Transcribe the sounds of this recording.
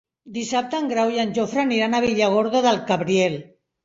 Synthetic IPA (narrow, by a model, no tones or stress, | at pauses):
d̪isap̚t̪aŋɡɾawjanʲʒofɾaniɾanaβiʎaɣ̞oɾðoðalkaβɾiel